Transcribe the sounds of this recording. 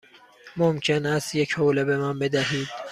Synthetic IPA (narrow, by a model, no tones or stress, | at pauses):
momcʰenæst̪jecʰhoːlebemænbed̪æɦiːd̪̥